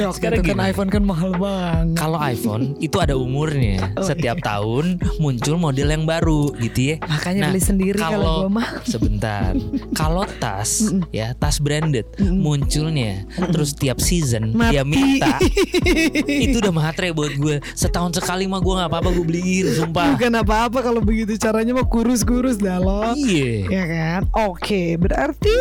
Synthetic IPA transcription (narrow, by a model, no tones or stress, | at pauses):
anajfonkanmaɦalbakaloajfo̰nit̪uadaumʊrɲa̰sət̪iap̚t̪a̰ʊnmuɲt͡ʃʊlmodɛljaŋbaɾuɡit̪ujɛmakaɲanabəlisəndiɾikaalosəbənt̪a̰rkalot̪a̰sja̰t̪asbɾɛndət̪̚muɲt͡ʃʊlɲat̪əɾʊst̪iap̚sizənmaiamina | it̪uːdahmaɦat̪ɾajabuət̪̚ɡuɛsət̪aɦʊnsəkalimaɡuaŋaːpaːpaɡuabəliɡɪnsumpabukanap̬aːpakalobəɡit̪̬ut͡ʃaɾaɲamakuɾʊs̬kuɾʊsdalɔjɛjakanokʰebəɾart̪i